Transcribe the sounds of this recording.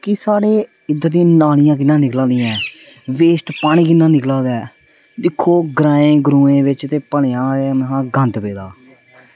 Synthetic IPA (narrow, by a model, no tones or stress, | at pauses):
kɪsaːɽeː | ɪd̪əɾd̪ĩːnaːlɪjãːk̬ɪnːãːnɪklãːnd̪ɪjãɛː | ʋeːsʈpaːɽ̃ĩːkɪnːãːnɪklãːd̪ɛː | d̪ɪkʰːoːɡɾãːẽːɡɾuːẽːʋɪt͡ʃt̪eːpəɳejãːnɦãːɡə̃nd̪peːd̪aː